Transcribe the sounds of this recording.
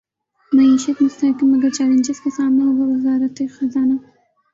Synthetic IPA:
maiʃat̪mʊst̪akɪmad̪ət͡ʃɑland͡ʒɪskasɑmɪlabawɪzɑɾat̪əjxazɑna

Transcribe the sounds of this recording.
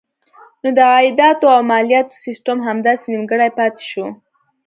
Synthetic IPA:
nod̪əɣɑɪd̪ɑt̪oawmɑlijat̪o̥sɪsʈəmɦamd̪ɑsenimɡəɽajpɑt̪e̥ʃo

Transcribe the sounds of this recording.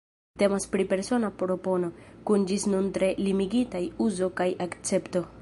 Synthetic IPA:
te̞maspɾipe̞ɾso̞napɾo̞po̞no̞kund͡ʒisnuntɾe̞limiɡitajuzo̞kajakt͡se̞pto̞

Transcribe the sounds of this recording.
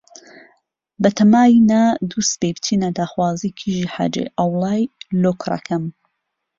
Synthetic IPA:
bɐt̪ʰɐmaːinad̪usbebt̪ʰiːnad̪aːxwaːzikʰiʒiħa̰ːd͡ʒḛjʔɐwlˠaːjloːkʰrˤɐ̰kʰɐm

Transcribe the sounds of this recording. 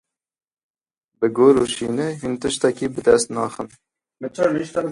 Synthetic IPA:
bɨɡoːɾuʃiːnɛɦint̪ɨʃt̪ɛkiːbɨd̪ɛst̪nɑːxən | mɨt͡ʃʰɔɾliʃt̪ɑ

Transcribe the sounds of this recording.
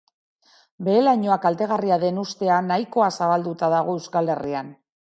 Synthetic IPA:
be̞ːlaɲo̞akalt̪e̞ɣariaðe̞nust̪e̞anajko̞asaβald̪ut̪aðaɣ̞o̞e̞wskale̞rian

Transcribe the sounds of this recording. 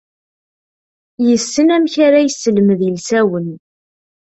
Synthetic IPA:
jəsːənæmçaɾæjəsːəlməðilsæwən

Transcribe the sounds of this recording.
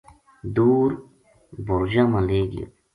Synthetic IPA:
d̪uːɾ | boɾd͡ʑamaleːɡḭ

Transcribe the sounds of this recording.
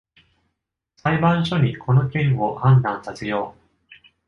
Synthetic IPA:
saibãɰ̃ɕo̞ɲ̟ikʰo̞nokʲẽɰohãnd̪ãɰ̃sat͡sɨjo̞ː

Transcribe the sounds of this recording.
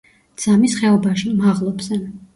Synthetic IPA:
d̪z̥amisχɛɔbaʃimaʁlˠɔbz̥ɛ

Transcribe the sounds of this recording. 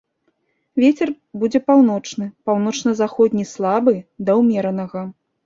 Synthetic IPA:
vʲet͡sʲɛr | bud͡zʲɛpawn̪ɔt͡ʂnɨpawn̪ɔt͡ʂnɐzaxɔd̪ʲnʲislˠabɨd̪ɐwmʲɛɾɐnɐɣɐ

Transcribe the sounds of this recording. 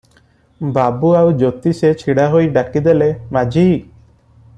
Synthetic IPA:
babuawd͡ʒot̪iset͡ʃʰiɽaɦojɖakid̪elemad͡ʒi

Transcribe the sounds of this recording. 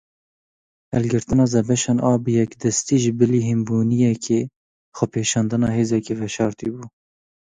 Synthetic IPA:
hɛ̰lɡɨɾt̪ɨnɑːzɛbɛʃɑːnʔɑːbjɛkd̪ɛst̪iːʒɪbɨliːɦimbuːnijɛkʰeː | xɔpʰeːʃɑːnd̪ɨnɑːheːzɛkevɛʃɑːɾt̪ibuː

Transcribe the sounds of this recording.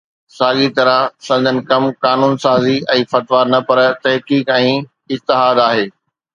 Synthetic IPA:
saːɠit̪ɐɾəsɐ̃d̪ənɪ̆kɐmkaːnuːnsaːziɛ̃ːfɐʈʋaːɾnɐpɐɾt̪ɐɦkiːkɛ̃ː | ɪd͡ʑt̪ɪɦaːd̪aːɦeː

